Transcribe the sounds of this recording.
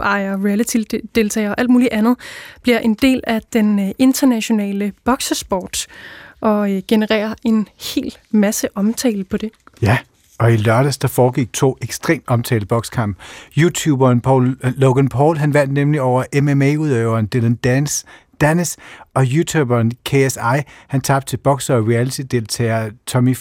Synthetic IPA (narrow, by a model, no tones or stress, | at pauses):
ɑ̈ɪɐʁiælæt͡sʰild̥e̝lt͡sʰɛ̰ːɪɒ̽ʔæld̥muːliʔænð̩ˠb̥liɐʔe̝nd̥e̝̰ːlæd̥ene̝nd̥ɐnæɕo̝nɛ̰ːləb̥ɒ̽ɡ̥səsb̥ɒːd̥ʔɒ̽ɡ̥e̝nəʁɛ̰ːɐʔe̝nhe̝̰ːld̥mæsəʔɒ̽mt͡sʰɛ̰ːləpʰɒ̽d̥e̝jæ | ʔɒ̽ilɶɐɾ̥əsd̥ɑ̈fɒːɡ̥iɡ̥̚t͡sʰo̝̰ːeɡ̥sd̥ʁḛːmd̥ɒ̽mt͡sʰɛ̰ːləb̥ɒ̽ɡ̥skʰɑ̈m̰b̥juːt͡sʰuːb̥ɐnpʰɒlːoɡ̥ənpʰɒːlɦænʋæn̰d̥nemliɒʊɐʔememeuðˠøʊɐːnd̥elənd̥æns | d̥ænəsɒ̽jut͡sʰub̥ɐnkʰe̝esɑ̈ɪ̰hænt͡sʰɑ̈b̥̚t͡sʰe̝b̥ɒ̽ɡ̥sɐɒʁiælit͡sʰid̥e̝lt͡sʰɛ̰ːɐt͡sʰɒ̽mi